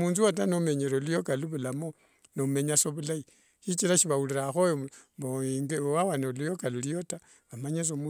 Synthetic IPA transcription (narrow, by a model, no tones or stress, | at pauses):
muːnzuat̬anomeɲeɾolujokaluβulamo | nome̞ɲasoβulai | ʃit͡ʃiɾaʃiβauliɾaxojoboiŋɡewawanolujo̞kalulijo̞ta | βamaɲas̬omu